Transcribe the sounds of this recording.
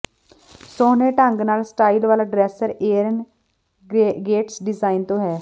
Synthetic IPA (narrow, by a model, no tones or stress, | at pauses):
soːneːʈəŋɡnaːlsʈaːilʋaːlaːɖɾɛːsəɾeːɾən | ɡeːʈsɖɪzaːint̪õːɦɛː